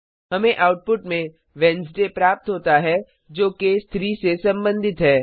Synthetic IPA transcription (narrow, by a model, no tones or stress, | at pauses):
ɦɐmẽʔaːʊʈ̚pʊʈmẽ | ʋɛns̬ɖepɾaːp̚t̪ɦoːt̪aɦɛ | d͡ʒoːkest̪ʰɾisesɐ̃mbə̃nd̪ʱɪt̪ɦɛː